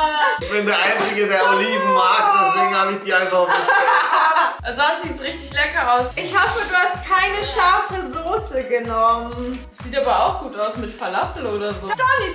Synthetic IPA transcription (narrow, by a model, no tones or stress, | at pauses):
vɛndeːɐʔaɪnt͡sɪɡədeːəliːbm̩maːk̚d̥ɛsv̥eːɡŋ̩haːbɪçd̥iːaɪ̃nfaχɪç | ʔazantz̥iːtsʁɪçtɪçlɛkɐʔaʊsʔɪçhɔfəduːhast̚kʰaɪnəʃaɐfəzoːsəɡənɔmsz̥iːtʔaːbɐaʊxɡ̥uːtaʊsmɪtfaɐlasl̩oːɾɐzoːd̥ɔnɪ